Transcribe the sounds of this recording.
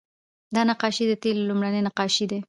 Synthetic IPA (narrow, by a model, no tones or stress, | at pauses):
d̪ɑnaqɑʃid̪ət̪ellumɽanenaqɑʃid̪e